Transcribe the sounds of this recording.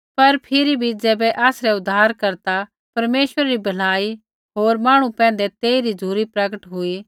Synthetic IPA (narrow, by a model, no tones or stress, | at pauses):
pɐɾpʰɪɾibʱid͡zɛːbɛʔaːsɾɛʊd̪ːaːɾkɐɾt̪a | pɐɾmeːʃʋəɾaɾibʱɐlaːi | ɦoːɾmaːɽ̃upɛ̃ːnd̪ɛt̪eːiɾid͡zʱuːɾipɾɐɡəʈɦʊi